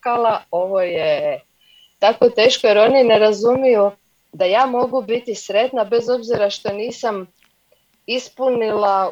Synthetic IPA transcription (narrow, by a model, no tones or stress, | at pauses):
alao̞ʋoje | t̪ako̞t̪e̞ːʃkojeɾo̞nineɾazumiju | d̪ajaːmo̞ɡubit̪isɾe̞t̪nabe̞zo̞bziɾaʃt̪o̞niːsam | ispunila